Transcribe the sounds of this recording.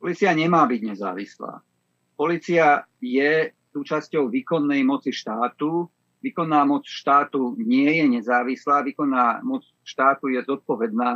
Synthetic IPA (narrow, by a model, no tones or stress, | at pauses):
pɔliːt͡siaɲɛmaːbiɟɲɛza̰ːʋisla̰ː | pɔliːt͡siajɛsuːt͡ʃascɔʊʋiːkɔnːɛjmɔt͡siʃt̪aːt̪u | ʋiːkɔnːaːmɔt͡sʃt̪aːt̪uɲɪɛjɛɲɛzaːʋislaːʋiːkɔnːaːmɔt͡s | ʃt̪aːt̪ujɛzɔt̪̚pɔʋɛd̪̚naː